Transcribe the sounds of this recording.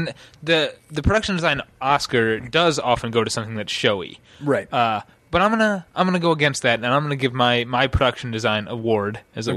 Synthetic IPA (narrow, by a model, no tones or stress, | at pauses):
nðɨðɨpʰɹ̥ɨɾʌkʃn̩dɨzãɪ̃nɑskə˞dʌzɑfn̩ɡoʊɾɨsʌ̃mθɪ̃ŋðɨtʃoʊḭ | ɹaɪt̚ʌ | b̥ʌɾãɪ̃mɡʌnəãɪ̃mɡʌnɨɡoʊəɡɛ̃nst̪̚ðɨɾɨ̃nãɪ̃mɡʌnɨɡɪvmaɪmaɪpʰɹ̥ɨdʌkʃn̩dɨzãɪ̃nʔəwɔɹdɨzɨ